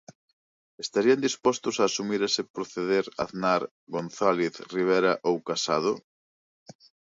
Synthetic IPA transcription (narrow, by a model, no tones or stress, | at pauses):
est̪aɾiand̪ispɔst̪ʊsaːsumiɾesɪpɾoθeðeɾa̰ðnaɾ | ɣonθaleθriβ̞ejɾɐʔowkasaðʊ